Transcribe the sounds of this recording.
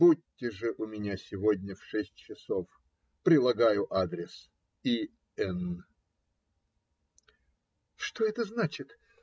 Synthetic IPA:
bud̚ʲtʲːɪʐɨʔʊmʲɪnʲasʲɪvodʲnʲəfʂɛsʲtʲt͡ɕɪso̞f | pɾʲɪlˠɐɡajʊʔad̪ɾʲɪs | i | ɛn | ʂt̪o̞ɛt̪əznat͡ɕɪt̪

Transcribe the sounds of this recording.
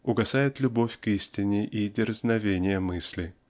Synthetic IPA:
ʊɡɐsajɪt̪lʲʊbofʲkisʲtʲɪnʲɪʔidʲɪrznɐvʲenʲɪjəmɨsʲlʲɪ

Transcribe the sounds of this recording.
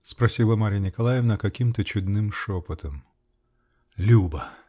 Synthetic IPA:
spɾɐsʲilˠəmaɾʲjənʲɪkɐlˠajɪvnəkɐkʲimt̪ət͡ɕʊd̪nɨmʂopət̪əm | lʲubə

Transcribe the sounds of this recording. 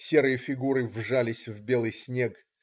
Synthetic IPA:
sʲe̞ɾɨjəfʲɪɡuɾɨvʐalʲɪsʲvbʲe̞lˠɨjsʲnʲe̞k

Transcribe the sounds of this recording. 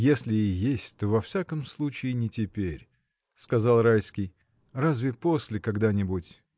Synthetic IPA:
jesʲlʲɪɪjesʲtʲt̪o̞vɐfsʲakəmslˠut͡ɕɪɪnʲɪtʲɪpʲeɾʲ | skɐzalˠrajskʲɪj | razvʲɪpo̞sʲlʲɪkɐɡd̪anʲɪbutʲ

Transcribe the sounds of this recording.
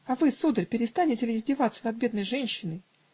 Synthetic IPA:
ɐvɨsud̪əɾʲpʲɪɾʲɪst̪anʲɪtʲɪlʲɪɪzʲdʲɪvat̪sːə̥nɐd̪̚bʲe̞d̪nəjʐɛnʲɕːɪnəj

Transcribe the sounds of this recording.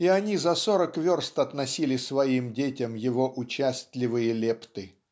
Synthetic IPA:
iɐnʲizɐsoɾəkvʲorst̪ɐt̪nɐsʲilʲɪsvɐimdʲetʲɪmjɪvo̞ʔʊt͡ɕæsʲt̪ʲlʲɪvɨjəlʲept̪ɨ

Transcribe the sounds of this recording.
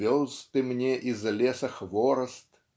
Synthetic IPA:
ɔwzt̪ɨmnʲɛʔizlʲɛsɐxvɔɾɐst̪

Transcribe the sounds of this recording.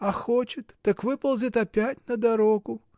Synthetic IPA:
ɐxot͡ʃɪt̪ːɨkvɨpɐlˠzʲɨt̪ɐpʲatʲnɐd̪aɾoɡʊ

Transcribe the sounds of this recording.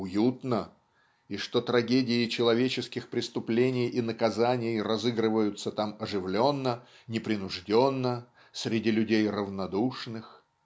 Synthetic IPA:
ʊjut̪nə | iʂt̪o̞t̪ɾɐɡʲedʲɪɪt͡ɕɪlˠɐvʲet͡ɕɪskʲɪxpɾʲɪst̪ʊplʲenʲɪjinəkɐzanʲɪjrɐzɨɡrɨvəjʊt̪sət̪amɐʐɨvlʲo̞nːə | nʲɪpɾʲɪnʊʐdʲo̞nːə | sʲɾʲɪdʲilʲʉdʲejrəvnɐd̪uʂnɨx

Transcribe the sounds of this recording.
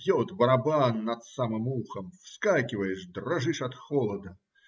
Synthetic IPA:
jɔt̪bɐɾɐbanːɐt̪samɨmuxɐmfskakʲɪvəjɪʂd̪rɐʐɨʂɐt̪xɔlˠɐd̪ɐ

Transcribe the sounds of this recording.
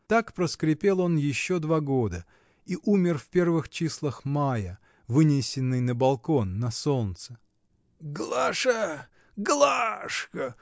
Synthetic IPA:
t̪akpɾəskɾʲɪpʲe̞lˠo̞njɪɕːo̞d̪vaɡo̞d̪ə | iʔumʲɪrfpʲe̞rvɨxt͡ɕislˠəxmajə | vɨnʲɪsʲɪnːɨjnəbɐlˠko̞nːɐso̞nt̪sə̥ | ɡlˠaʂə | ɡlˠaʂkə

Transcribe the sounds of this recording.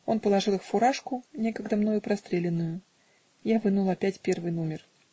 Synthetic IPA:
o̞npəlˠɐʐɨlˠɨxfʊɾaʂkʊnʲe̞kəɡd̪əmno̞jʊpɾɐst̪ɾʲelʲɪnːʊjʊ | javɨnulˠɐpʲætʲpʲe̞rvɨjnomʲɪr

